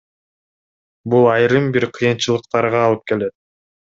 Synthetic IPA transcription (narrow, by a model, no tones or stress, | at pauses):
bulˠɑjɾɯmbiɾqʰɯjɯnt͡ʃɯlˠɯq̚t̪ɑɾʁɑːlˠɯp̚ke̞le̞t̪̚